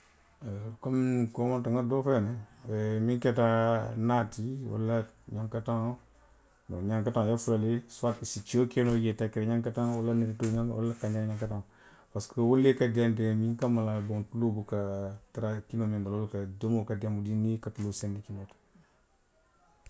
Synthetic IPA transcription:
komkomantaŋadofenɛɛmiŋkɛtanatiwa̰lːaɲaŋkataŋ | no̰ɲaŋkataŋjafulaliswatisit͡ʃiokenojetakiɾɲaŋkataŋwulaniɾituɲaŋwṵlakaɲaŋɲaŋkataŋ | paskowulːekadandemiŋkamalabontulobukatiɾakinomimbalulkadomokadamudinikatulosendikinotḁ

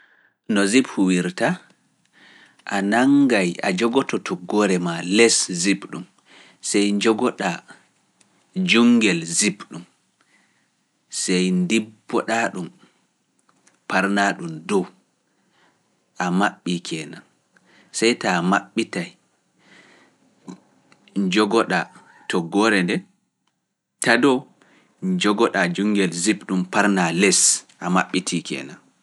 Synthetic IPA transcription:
nɔziphuwiɾta | ʔanaŋɡaja̰d͡ʒɔɡɔtɔtʰɔɡɔɾɛmalɛszipɗum | sɛjɲd͡ʒɔɡɔɗa | d͡ʒuŋɡɛlzibɗum | sɛjndibːɔɗaɗum | paɾnaɗumdɔw | ʔamaɓːikʰɛːnan | sɛjtamaɓːitaj | ɲd͡ʒɔɡɔɗa | tʰɔɡɔɾɛndɛ | tadɔ | ɲd͡ʒɔɡɔɗad͡ʒuŋɡɛlzipɗumpaɾnalɛsʔamaɓːitʰikɛ̰ːnan

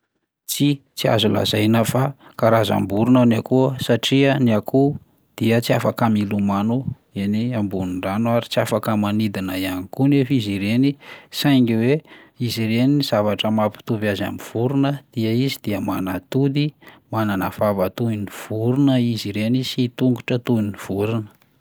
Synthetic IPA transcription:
t͡sit͡sia̰zula̰zajnəfakaɾaza̰mbuɾunanakuəsaʈ͡ʂiəniakʰu | d̪̥iət͡siafakamilumanu | eniambunuɳɖ͡ʐanuaɾit͡siafakəmanid̪inəjanikunefiziɾenisajŋɡiwe | iziɾeniz̥avaʈ͡ʂəmapi̥t̪uvjaza̰miv̥uɾunəd̪̥iəizid̪̥iəma̰nat̪ud̪imananəv̥avət̪uiniv̥uɾunəiziɾenisit̪uŋɡuʈ͡ʂət̪uiniv̥uɾunə̥

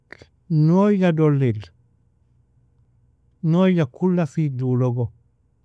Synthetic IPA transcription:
noːjadolːil | nojakulːafiduloɡo

